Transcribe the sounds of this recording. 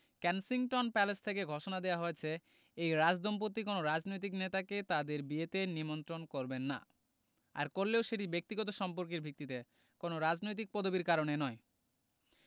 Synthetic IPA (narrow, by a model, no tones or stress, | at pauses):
kɛnsiŋʈonpɛlest̪ʰekeɡʱoʃonad̪eaɦoet͡ɕʰe | ejɾad͡ʑd̪ʱomp̬ot̪ːikonoɾad͡ʑnojt̪̬iknet̪aket̪ad̪eɾbiet̪enimont̪ɾonkoɾbenːa̰ | a̰ɾkoɾleoʃeʈibek̚t̪iɡɔt̪oʃɔmpoɾk̬eɾbʱik̚t̪it̪e | konoɾad͡ʑnojt̪̬ik̚pɔd̪obiɾkaɾonenɔe